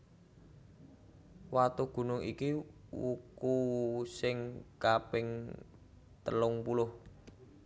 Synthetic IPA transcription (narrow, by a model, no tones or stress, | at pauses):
wat̪uɡ̥ṳnʊŋḭkiwukusɪŋkapɪŋ | t̪əlʊŋpulʊh